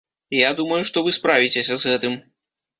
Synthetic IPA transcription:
jad̪umɐjuʂt̪ɔvɨspɾavʲit͡sʲesʲɐzɣɛt̪ɨm

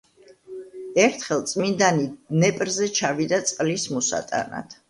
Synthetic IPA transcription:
ɛɾt̪ʰχɛlˠt̪sʼmind̪aninɛpʼɾzɛt͡ʃʰavid̪at̪sʼqʼlismɔsa̰t̪ʼa̰na̰t̪ʰ

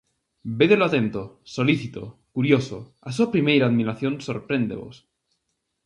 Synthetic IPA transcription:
beðeloat̪e̞nt̪osoliθit̪o̰kuɾjoso | as̬uapɾimejɾaːðmiɾaθjo̞nso̞ɾpɾẽ̞nd̪e̞̰βo̞̰s

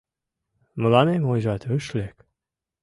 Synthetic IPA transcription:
mə̆lɑnemojʒɑt̪øʃlek

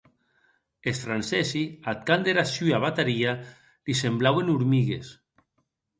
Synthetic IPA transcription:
esfɾansɛsiat̪̚kand̪eɾasyaβat̪aɾia | lisemblawenuɾmiɣes

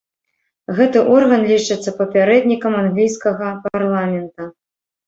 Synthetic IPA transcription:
ɣɛt̪ɨʔɔrɣɐnlʲit͡ʂɨt̪sːɐpɐpʲaɾɛd̪ʲnʲikɐmanɣlʲijskɐɣɐparlˠamʲɛnt̪ɐ

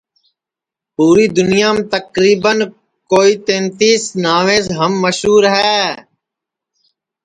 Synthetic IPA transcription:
puːɾiːd̪ʊnɪjaːmt̪əkɾiːbən | koːiːt̪ẽːnt̪iːsnaːʋẽːzɦəmːəʃɦuːɾɦɛː

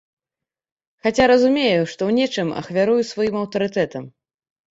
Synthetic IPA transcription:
xat͡sʲaɾɐzumʲejuʂt̪ɔwnʲɛt͡ʂɨmɐ̰xvʲaɾujusvajimɐwt̪ɐɾɨt̪ɛt̪ɐm

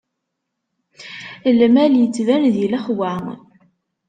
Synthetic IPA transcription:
əlmæljət͡sːvænðilæχwæŋ

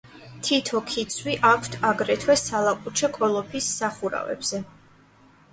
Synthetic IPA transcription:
t̪ʰit̪ʰɔkʰit̪sʰwiʔakʰt̪ʰaɡɾɛt̪ʰwɛsalˠapʼut͡ʃʰɛkʼʰɔlˠɔpʰisːaχuɾa̰vɛ̰b̥z̥ɛ

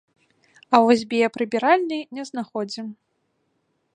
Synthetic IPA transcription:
ɐvɔsʲbʲijɛpɾɨbʲiɾalʲnɨjnʲɛznaxɔd͡zʲim

